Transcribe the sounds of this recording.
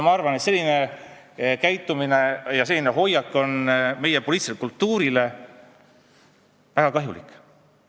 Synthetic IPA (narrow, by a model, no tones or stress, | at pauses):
mɑɑrvɑnet̪se̞lʲːine̞ | kæjt̪ːˑuminejɑse̞lːineɦo̞jɑkːo̞nme̞jepo̞liːt̪silekult̪ːuːɾile̞ | væɡ̥ɑkɑɦjulḭkˑ